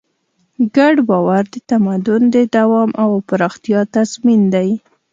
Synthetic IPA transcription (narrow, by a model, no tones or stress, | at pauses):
ɡaɖbɑwaɾd̪ət̪amad̪ʊnd̪əd̪awɑmʔawpəɾɑxt̪jɑt̪azmind̪aj